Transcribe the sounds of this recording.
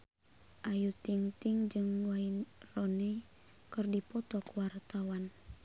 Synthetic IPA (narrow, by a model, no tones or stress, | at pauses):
ʔajut̪iŋt̪iŋd͡ʒɨŋwainrɔnɛ | kɨrdipɔt̪ɔkuwart̪awan